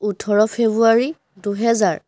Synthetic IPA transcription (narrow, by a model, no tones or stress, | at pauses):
utʰɔɹɔpʰebuaɹi | duɦɛzaɹ